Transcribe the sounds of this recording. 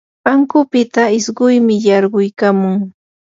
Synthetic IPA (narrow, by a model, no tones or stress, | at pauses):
aŋkʊpɪt̪aɪsɢʊjmɪjɑɾɢʊjkaːmʊŋ